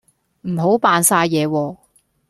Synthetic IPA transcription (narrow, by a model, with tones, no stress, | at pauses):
m̩˨˩ɦo˨˥wpaː˨˧nsaː˧jjɛː˨˧wɔː˧